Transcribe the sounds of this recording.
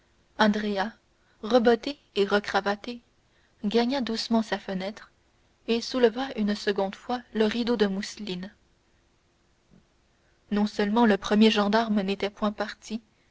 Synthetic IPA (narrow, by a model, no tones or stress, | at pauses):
ɑ̃d̪ʁea | ʁəbɔt̪e | eʁəkχavat̪e | ɡaɲad̪usmɑ̃safənɛt̪χ | esuləvaynsəɡɔ̃d̪fwaləʁid̪od̪əmuslin | nɔ̃səlmɑ̃ləpχəmjeʒɑ̃d̪aʁmnet̪ɛpwɛ̃paʁt̪i